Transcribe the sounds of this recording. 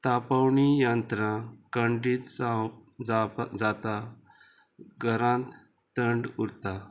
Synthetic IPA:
t̪apawɳijãnt̪ɾãkə̃ɳɖiːt̪sad͡zad͡zat̪a | ɡəɾãt̪ | t̪əɳɖuɾt̪a

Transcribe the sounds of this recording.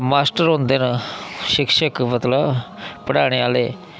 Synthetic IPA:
maːsʈəɾɦõːnd̪eːnəʃɪkʃəkmət̪ləb | pəɽaːɽ̃eːaːleː

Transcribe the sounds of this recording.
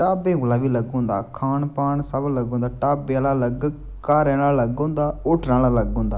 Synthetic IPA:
ʈaːbẽːɡʊːlaːʋiːləɡõːnd̪a̰ːkʰaːnpaːnsəbləɡõːnd̪aːʈaːbalaːləɡ | kaːɾɛ̃ːnaːləɡõːnd̪aːʊʈʰnãːlaːləɡõːnd̪aː

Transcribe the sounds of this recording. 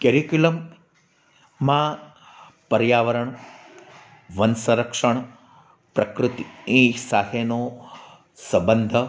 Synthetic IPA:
keɾikjulɐm | aː | pɐɾjaːʋɐɾɐɳ | ʋɐnsɐ̃ɾɐkʂɐɳ | pɾɐkɾɨt̪ieːsaːɦeːnoː | sɐbɐnd̪ʱɐ

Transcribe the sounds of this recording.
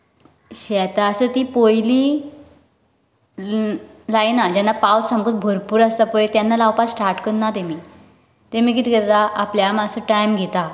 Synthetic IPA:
ɕɛt̪aəsət̪iːpojli | lajnad͡ʑanːapawssamɡəːt̪̚bʱoɾpuːɾast̪apojet̪janːalawpassʈaɾʈkənːat̪emiː | t̪emiːk̬it̪iɡət̪aʔapljamasəʈajmɡʱɛt̪a

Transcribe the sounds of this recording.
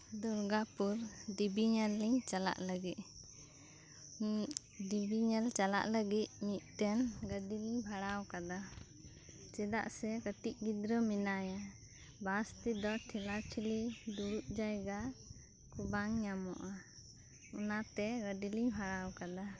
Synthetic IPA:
d̪uɾɡapuɾɖibiɲɛlːiɲt͡ʃala̰ʔləɡit̪̚ | ɖibiɲɛlt͡ʃala̰ʔləɡit̪̚mit̪̚ˀt̪ɛnɡəɖiliɲbʱaɽawkad̪a | t͡ʃɛd̪a̰ʔsɛkəʈiʔ̚ɡid̪ɾəminaja | bast̪id̪ɔʈʰilat͡ʃʰilid̪uɽuʔ̪̚d͡ʒajɡa | kubaŋɲamɔ̰ʔa | ɔnat̪ɛɡəɖiliɲbʱaɽawkad̪a

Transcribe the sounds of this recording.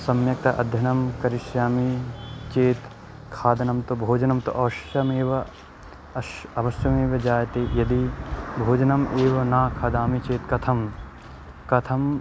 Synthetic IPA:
sɐmjɐk̚t̪ɐʔɐ̰d̪ʱjɐnɐmkɐɾiʃjaːmit͡ʃeːt̪ | kʰaːd̪ɐnɐmt̪ubʱoːd͡ʒɐnɐmt̪uʔɐʋɐʃjɐmeːʋɐ | ɐʋɐʃjɐmeːʋɐd͡ʒaːjɐt̪eːjɐd̪ibʱoːd͡ʒɐnɐmʔeːʋɐnaːkʰaːd̪aːmit͡ʃeːt̪kɐt̪ʰɐm | kɐt̪ʰɐm

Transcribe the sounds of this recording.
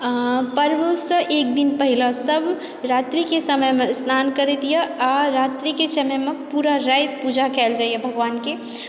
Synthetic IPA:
pəɾbosə̃ʔek̚d̪inpəɦiləsəbʱ | ɾat̪ɾikesəməjmesnʰankəɾɛt̪ijəaɾat̪ɾikesəməmepuɾaɾajt̪pud͡ʒʱakɛld͡ʒajəbʱəɡʋanke

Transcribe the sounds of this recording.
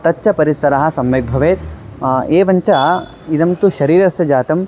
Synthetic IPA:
t̪ɐtːʃʰɐpɐɾisɐɾɐɦɐ̆sɐmʋeɡ̚bʱɐʋeːt̪eːʋɐɲt͡ʃɐ | id̪ɐmt̪uʃɐɾiːɾɐst̪ɐd͡ʒaːt̪ɐm

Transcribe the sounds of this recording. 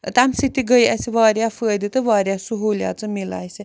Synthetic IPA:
t̪amsit̪iɡəjɛsiʋaːɾʲjafəːjd̪it̪ɨʋaːɾjasuɦoːlja̰t͡sɨmila̰ːjsi

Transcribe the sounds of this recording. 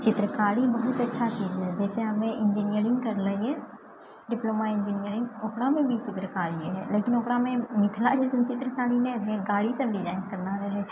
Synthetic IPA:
t͡ʃɪt̪ɾəkaːɽibɐɦʊt̪ɐtːʃʰat͡ʃiːzɦɛd͡ʒɛːseɦɐmẽʔɪ̃nd͡ʒinijəɾɪ̃ŋɡkɐɾlɐɦiɦɛː | ɖɪploːmaɪ̃nd͡ʒinijəɾɪ̃ŋɡoːpɽamẽbʱit͡ʃɪt̪ɾəkaːɽieɦɛ̰ːleːkɪnoːpɽamẽmɪkʰlad͡ʒɛːst͡ʃɪt̪ɾəkaːɽinẽɾɦeɡaːɽisəbɾɪd͡ʒaːɪnkɐɾnaɾɐɦɛː

